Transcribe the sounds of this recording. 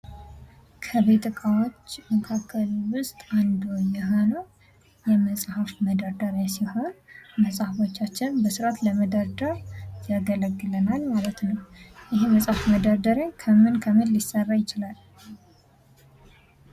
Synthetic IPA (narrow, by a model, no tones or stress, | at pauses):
kʰəβe̞t̪ɨkʼawo̞t͡ʃːməkʰakʰːəlwʊst̪ʼand̪ojɛɦo̞nəw | jɛməsʼhafməd̪əɾd̪əɾesiho̞nməsʼhafo̞t͡ʃːat͡ʃːɪnbəsɨɾat̪ləməd̪əɾd̪əɾjaɡələɡːɨlənalmalət̪nəwʔɪɦeməsʼhafməd̪əɾd̪əɾekʰəmɨnkʰəmɨnlisːərːajɪt͡ʃɪlal